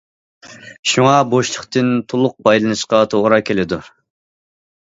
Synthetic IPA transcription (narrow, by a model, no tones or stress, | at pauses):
ʃuŋɑboʃlˠəχt̪ɨnt̪ʰolˠʊq̚pɑjlˠɨnɨʃqɑt̪ʰoʁɾɑkʲʰelɪd̪u